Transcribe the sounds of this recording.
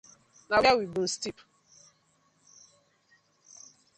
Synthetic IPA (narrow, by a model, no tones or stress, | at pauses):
nawawibun̩stip